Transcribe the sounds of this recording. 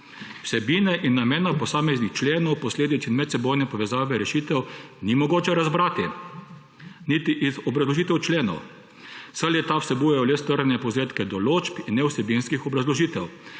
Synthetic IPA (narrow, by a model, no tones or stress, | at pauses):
w̥sɛbiːnɛʔinːameːnapɔsaːmɛznixt͡ʃleːnɔwpɔsleːd̪it̪sinmɛt̪sɛbojnɛpɔʋɛzaːʋɛɾɛʃit̪ɛwnimɔɡoːt͡ʃɛɾazbɾaːt̪i | nit̪iʔizɔbɾɐzlɔʒiːt̪ɛwt͡ʃleːnɔ̰w | saljɛt̪awsɛbujajɔlɛst̪əɾnɛpɔzeːt̪kɛd̪ɔlot͡ʃpinːɛwsɛbinskixɔbɾazlɔʒiːt̪ɛw